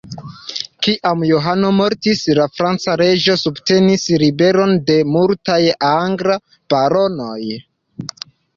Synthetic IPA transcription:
kiʔamjoɦano̞mo̞ɾtislafɾant͡saɾe̞d͡ʒo̞subte̞nisɾibe̞ɾo̞nde̞multajaŋɡɾa | b̥aɾo̞no̞j

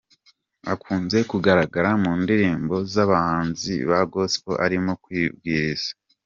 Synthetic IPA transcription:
akʰuːnze̞kuɡaɾaɡaɾamuːndiɾiːmbo̞zaβahaːnzḭβaɡospo̰ʔaɾimokwiːb̚ɡiːɾiz̥ḁ

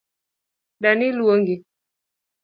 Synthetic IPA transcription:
ɗaniluoŋɡi

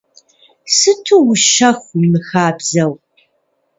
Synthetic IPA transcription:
sɨtʰuwʊʃɐxʷimɨxaːbz̥ɐw

